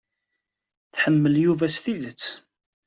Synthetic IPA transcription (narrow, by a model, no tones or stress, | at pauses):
θħəmːəljuvæsθiðət͡sː